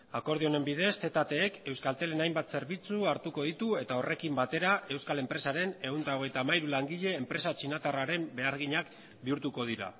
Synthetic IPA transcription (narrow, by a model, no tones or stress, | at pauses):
ako̞ɾðio̞ne̞mbiðe̞st̪e̞t̪at̪e̞ːke̞wskalt̪e̞le̞najmbat̪se̞ɾβit͡suaɾt̪uko̞ðit̪ue̞t̪ao̞re̞kimbat̪e̞ɾae̞wskale̞mpɾe̞saɾe̞ne̞unt̪aoɣ̞ejt̪aːmajɾulaŋɡiʎe̞ːmpɾe̞sat͡ʃinat̪araɾe̞mbe̞aɾɣ̞iɲak | biuɾt̪uko̞ðiɾa̰